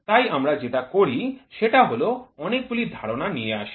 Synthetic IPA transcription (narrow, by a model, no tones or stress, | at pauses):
t̪ajamɾad͡ʑetakoɾiʃeʈaɦoloɔnek̚bulid̪ʱaɾonanijea̰ʃi̥